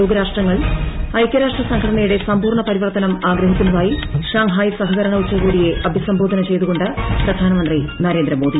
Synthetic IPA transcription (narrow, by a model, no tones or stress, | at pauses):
oːɡɐɾaːʂʈrɐŋːɐɭɐjkʲːɐɾaːʂʈrɐsɐŋɡʰʱɐɽɐɳɐjuɽe̞sɐmpuːrɳɐpɐɾiʋɐrt̪ɐnɐmaːɡɾɐɦikʲːunːɐðaːjiʂaːŋɦaːjsɐɦɐɣɐɾɐɳɐut͡ɕːɐɣuːɽije̞ʔɐbʱisɐmbʱoːd̪ʱɐnɐt͡ɕe̞jt̪uɣo̞ɳɖɨprɐd̪ʱaːnɐmɐnd̪rinɐɾe̞ːnd̪ɾɐmoːd̪i